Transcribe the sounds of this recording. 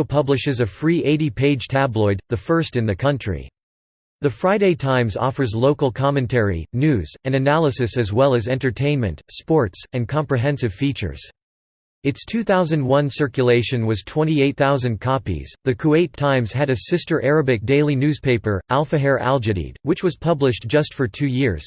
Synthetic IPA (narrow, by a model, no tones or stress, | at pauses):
ʊpʰʌblɨʃɨzɨfɹiʔeɪɾipʰeɪdd͡ʒʒ̥tʰæblɔɪd̪̚ðɨfɜ˞stɨ̃nðɨkʰʌ̃nt͡ʃɹ̥ḭ | ðɨfɹaɪɾeɪtʰãɪ̃mzɔ̰fə˞zloʊkl̩ˠkʰɑmɨ̃ntʰɛɹḭnʉz̥ɨ̃nɨnælˠəsɨsɨzwɛlˠɨzɛ̃ntə˞tʰẽɪ̃nmɨ̃ntspɔɹtsɨ̃nkʰɑ̃mpɹiɦɛ̃nsɨv̥fit͡ʃə̰˞z̥ | ɨtstʰʉθaʊzɨ̃ndwʌ̃nsɜ˞kjɨleɪʃɨ̃nwʌz̥tʰw̥ɛ̃ɾ̃ieɪt̪̚θaʊzɨ̃nkʰɑpḭz̥ðɨkʰueɪtʰãɪ̃mz̥ɨɾɨsɪstə˞ʔɛɹɨbɨk̚d̥eɪlˠinʉz̥pʰeɪpə˞ʔælˠfɨɦɛɹʔæ̰lˠd͡ʒɨɾḭd̚wɨt͡ʃwʌz̥pʰʌblɨʃd̥ʒ̥ʌstfə˞tʰʉjɪɹz̥